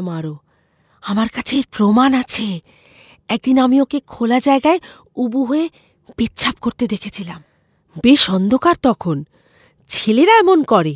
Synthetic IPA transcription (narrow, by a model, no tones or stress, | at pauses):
maɾo | amaɾkat͡ɕʰeɾpɾomanat͡ɕʰe | ɛk̚d̪inamiokekʰolad͡ʑaeɡae | ubuɦoe | b̥it̪ːt͡ɕʰap̚koɾt̪ed̪ekʰet͡ɕʰilam | beʃɔnd̪ʱokaɾt̪ɔkʰon | t͡ɕʰeleɾaɛmonkɔɾe